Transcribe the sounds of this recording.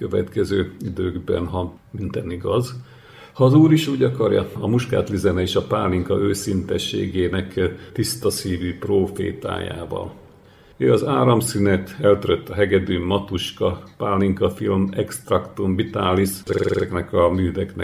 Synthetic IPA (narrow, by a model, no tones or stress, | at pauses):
køvɛt̪kɛzøːid̪øːɡbɛ̰nɦɒ | mint̪ɛniɡɒz | hɒːzuːɾiʃuːɟɒkɒrjɒ̰ɒmuʃka̰ːt̪lizɛnɛeːʃɒpaːlːiŋkɒ̰ʔøːsint̪ɛʃːḛːɡeːnɛkt̪ist̪ɒsiːviproːfḛːt̪a̰ːja̰ːvɒ̰l | øːɒzaːɾɒmsinɛt̪ɛlt̪øɾøt̪ːɒɦɛɡɛd̪ymːɒt̪uʃkɒpaːlːiŋkɒfilmɛkst̪rɒkt̪umvit̪aːlːisɛɛknɛkɒmyːd̪ɛknɛ̰